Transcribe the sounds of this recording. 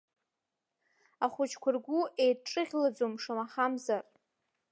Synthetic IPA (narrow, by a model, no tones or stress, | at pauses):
aχʷʊt͡ʃʰkʷʰʊrɡʷuejʈ͡ʂʼɨʁʲlad͡zomʂamaχamzar